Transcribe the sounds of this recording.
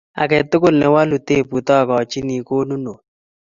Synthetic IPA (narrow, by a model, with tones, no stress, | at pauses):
a̰˨kɛ˨t̪ʊ˦kʊ˦lnɛ˨wa˦lu˨t̪e˦˨pu˨t̪ɔ˦˨kɔ˨t͡ʃɪ˦ni˨ko˦nu˦no˨